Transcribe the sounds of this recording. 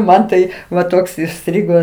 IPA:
ˈmɐn tɐɪ ʋɐ ˈtoːks ɪˈsʲtʲrʲɪɡoː

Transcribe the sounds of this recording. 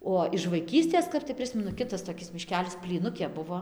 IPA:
ˈoː ɪʃ ʋɐɪˈkʲiːsʲtʲeːs ˈkɐp tɐɪ ˈpʲrʲɪsʲmʲɛnʊ ˈkʲɪtɐs toːˈkʲɪs mʲɪˈʃʲkʲæːlʲɪs pʲlʲiːˈnʊkʲeː ˈbʊʋoː

